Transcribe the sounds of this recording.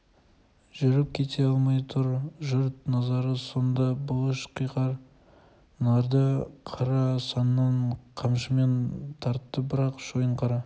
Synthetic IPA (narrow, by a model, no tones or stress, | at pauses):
ʒʏɾɪp̚kʲʰe̞t̪ʰe̞ɑlˠmɑjt̪ʰʊɾʒʏɾt̪nɑzɑɾəso̞nd̪ɑbʊlˠəʃqʰijqɑɾ | nɑɾd̪əqʰɑɾɑsɑnnːɑɴqʰɑmʃəme̞nt̪ʰɑɾt̪ːəbɪɾɑqʒ̥o̞jəɴqʰɑɾɑ